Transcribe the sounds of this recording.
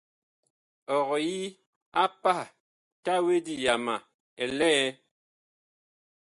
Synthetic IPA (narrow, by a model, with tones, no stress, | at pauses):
ɔ˨ɣɔ˨ji˦ | a˦pa˦˨ | ta˦we˦di˦ja˨ma˨ | ɛ˨lɛ˦